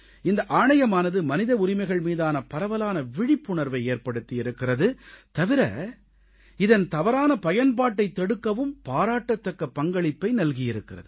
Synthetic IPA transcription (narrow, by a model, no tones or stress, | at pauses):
ɪnd̪ɐʔaːɳɐjɐmaːnɐðɯmɐnɪðɐʊɾɪmɐɪɣɐɭmiːðaːnɐpɐɾɐʋɐlaːnɐʋɪɽɪpːʊɳɐɾʋɐɪeːɾpɐɽɯt̪ːɪjɪɾɯkːɪrɐðɯt̪ɐʋɪɾɐ̰ | ɪðɐnt̪ɐʋɐɾaːnɐpɐjɐnpaːʈːɐɪt̪ːɛɽɯkːɐʋɯmpaːɾaːʈːɐt̪ːɐkːɐpːɐŋɡɐɭɪpːɐɪnɐlɣɪjɪɾɯkːɪrɐ̰ðɯ